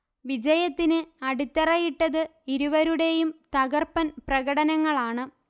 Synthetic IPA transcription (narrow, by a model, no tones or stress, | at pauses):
ʋid͡ʑɐjɐt̪ːinɨɐɽut̪ːɐrɐjiʈːɐðɨiɾuʋɐɾuɽe̞jumt̪ɐɣɐrpɐnprɐɣɐɽɐnɐŋːɐɭaːɳɨ